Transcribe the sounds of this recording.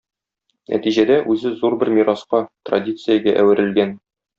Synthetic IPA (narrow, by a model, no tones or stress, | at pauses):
nʔæ̰t̪iʑæd̪æʔʉzɘzuɾbɘɾmʲiɾɑsqɑt̪rɐ̰dʲit̪sɨjəɡæʔæwɘ̆ɾɘ̆lɡæn